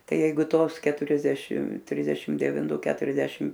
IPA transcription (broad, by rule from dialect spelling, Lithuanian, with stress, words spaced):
ˈtɐɪ ˈjɛɪɡʊ ˈtoːs kʲɛtʊrʲɛzʲˈdʲæːʃʲɪm ˈtʲrʲɪzʲdʲɛʃʲɪm dʲɛʋʲɪnˈtʊ ˈkʲæːtʊrʲɛzʲdʲɛʃʲɪm